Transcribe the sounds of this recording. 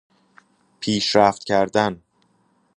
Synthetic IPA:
pʰiːʃɾæːft̪cʰæɾd̪æn

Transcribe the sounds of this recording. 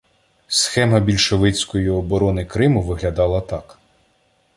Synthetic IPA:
sxɛmɐbʲilʲʃɔʋɪt͡sʲkɔjiɔbɔɾɔnɪkɾɪmʊʋɪɦlʲɐd̪ɑlˠɐt̪ɑk

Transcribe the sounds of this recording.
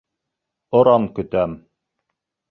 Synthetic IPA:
ŏɾɑmkɵ̆t̪æm

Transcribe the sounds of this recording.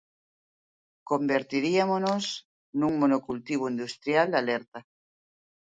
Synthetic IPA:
kombeɾt̪iɾiamonos | nuŋmonokult̪iβ̞oind̪ust̪ɾjald̪alɛɾt̪a

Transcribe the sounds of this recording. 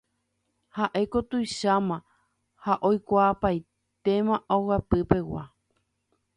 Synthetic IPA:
haʔekot̪ujʃamã | haʔojkʷaːpaj | t̪e̞mãʔowapɨpe̞wa̰

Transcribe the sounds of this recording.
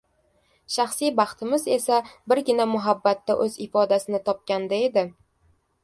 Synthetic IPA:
ʃaχsijbɑχt̪ʰɪmɪze̞sabɪɾɡʲɪnamʊɦabːat̪ːaʔɵzɪfɒd̪asɪnɪt̪ʰɒp̚kʲand̪aed̪ɪ

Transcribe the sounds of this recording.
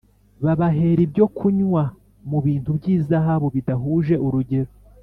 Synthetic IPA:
βaβaɦe̞ɾibjo̞kʰuɲwa | muβiːntubɟiːzaɦaβoβidaɦuːʒe̞ʔuɾuɟe̞ɾo

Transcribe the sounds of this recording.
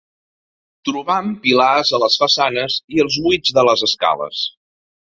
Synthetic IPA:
t̪ɾuβampilazələsfəsanəziəlˠzβwid͡zðələzəska̰lə̰s

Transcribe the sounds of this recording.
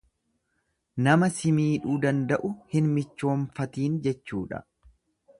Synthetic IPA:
nɐmɐsɪmiːᶑuːd̪ɐnd̪ɐʔʊhɪnmɪt͡ʃːo̞ːɱfɐt̪iːnd͡ʒɛt͡ʃːuːᶑɐ̰

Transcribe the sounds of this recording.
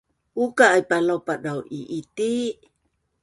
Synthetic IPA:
ʔukaːjpalawpadawʔiʔit̪i

